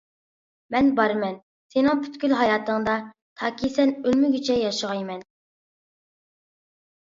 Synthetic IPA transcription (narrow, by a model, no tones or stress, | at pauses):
mɛnbɑɾɨmɛn | senɪŋpʰy̥t̪kʲylɦɑjɑːt̪əŋd̪ɑ | t̪ʰɑːkʲʰisɛnølmyɡʲyt͡ʃʰɛjɑʃəʁɑjmɛn